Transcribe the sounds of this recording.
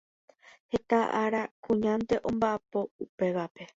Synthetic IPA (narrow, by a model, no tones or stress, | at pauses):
he̞t̪aʔaɾakũɲãnt̪e̞ʔõ̞mbaʔapo̞upe̞ʋape̞